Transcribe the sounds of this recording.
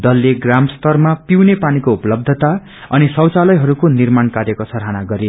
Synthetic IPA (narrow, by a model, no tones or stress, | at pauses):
d̪ʌlːeɡramst̪ʌrmapiwnepanikoupʌlʌb̚d̪ʱʌt̪a | ʌnisʌwt͡salʌjɦʌɾukonirmankaɾjekosʰʌɾɦanaɡʌɾe